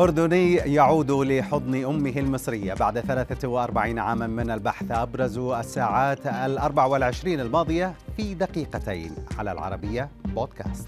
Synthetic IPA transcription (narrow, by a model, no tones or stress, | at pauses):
ʔʊɾd̪ʊniːjaʕuːd̪lɪħʊd̪ˤniʔʊmːɪɦɪlmɨsˤɾɪjːa̰baʕd̪θalaːθawɪʔɑɾˤbaʕiːnʕaːmanmɪnalbaħθʔabɾˤɑzuʔasːaːʕaːt̪alʔɑɾˤbaʕawɪlʕɪʃɾiːnalmɑːd̪ˤɨjafid̪aqiːqat̪a̰jnʕala̰lʕɑ̰ɾˤɑbɪjːaboːd̪ka̰ːst̪